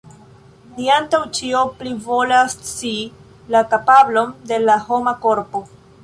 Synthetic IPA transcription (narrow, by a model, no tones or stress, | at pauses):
niantawt͡ʃio̞plivo̞last͡si | lakapablo̞mde̞laho̞mako̞ɾpo̞